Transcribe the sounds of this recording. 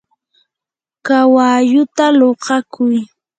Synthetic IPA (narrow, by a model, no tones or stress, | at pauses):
kawaʎʊt̪aloqɑkʰʊj